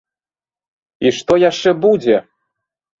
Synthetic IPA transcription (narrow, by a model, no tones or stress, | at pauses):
iʂt̪ɔjaʂt͡ʂɛbud͡zʲe